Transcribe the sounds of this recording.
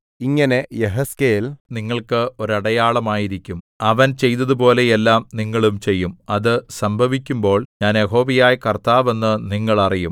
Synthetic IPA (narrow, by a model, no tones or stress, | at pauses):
iŋːɐne̞jeɦɐskejilniŋːɐɭkɨo̞ɾɐɽɐjaːɭɐmaːjiɾikʲːum | ɐʋɐnt͡ɕe̞jt̪ɐðupo̞ːle̞jelːaːmniŋːɐɭumt͡ɕe̞jːumɐðɨsɐmbʱɐʋikʲːumbo̞ːɭɲaːnjeɦo̞ːʋijaːjkɐrt̪aːʋe̞nːɨniŋːɐɭɐrijum